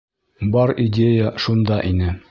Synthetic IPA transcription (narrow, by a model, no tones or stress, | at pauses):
bɑɾidʲejəʃund̪ɑʔinɘ